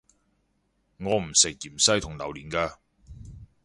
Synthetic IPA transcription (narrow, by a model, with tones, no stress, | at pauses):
ŋɔː˨˧m̩˨˩sɪ˨k̚jiː˨˩msɐ˥jt̪ʰʊ˨ŋlɐ˨˩wliː˨˩nkaː˧